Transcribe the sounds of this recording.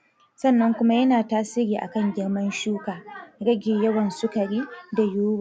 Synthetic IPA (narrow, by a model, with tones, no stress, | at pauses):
sɐ˦˨nːɐ˦ŋkʷʊ˦ma˦jɐ˦naː˨taː˦siː˦ɾiː˨ʔa̰˨kɐ˦˨ŋɡʲɪ˦ɽmɐ˦nʃuː˦kaː˨ɽɐ˦ɡʲɪ˨jɐ˦wɐ˨nsʊ˦kɐ˨ɽiː˦da˨juː˦waː˨